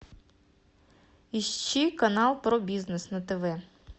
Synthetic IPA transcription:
iʃt͡ʃikɐnɑlˠpɾɔbʲiznesnɐt̪eʋɛ

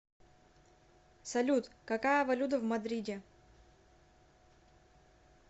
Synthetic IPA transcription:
sɐlʲut̪kɐkajəvɐlʲud̪əvmɐd̪ɾʲidʲe

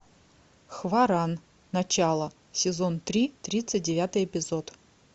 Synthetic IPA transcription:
xvaɾanː | ɐt͡ɕalˠə | sʲɪzont̪ɾʲit̪ɾʲit̪sɨt̚ʲdʲɪvʲat̪ɨjɛpʲɪzot̪

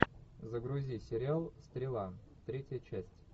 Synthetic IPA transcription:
zəɡɾʊzʲisʲɪɾʲɪalˠst̪ɾʲɪlˠa | t̪ɾʲetʲjət͡ɕæsʲtʲ

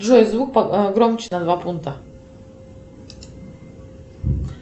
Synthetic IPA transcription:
ʒuɛzvuk̚paɡɾɔmt͡ʃi̥nad̪vapunt̪a

